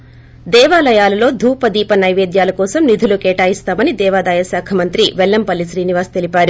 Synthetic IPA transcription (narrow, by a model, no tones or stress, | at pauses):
d̪ɛːʋaːlɐjaːlɐlo̞ːd̪ʱuːpɐd̪iːpɐnɐjʋe̞ːd̪jaːlɐkɔːsɐmnid̪ʱulukɛːʈaːjist̪aːmɐnid̪ɛːʋaːd̪ɐːjɐsaːkʰɐmɐnt̪ɾiʋɛlːɐmpɐlːisɾiːniʋaːst̪elipaːɾu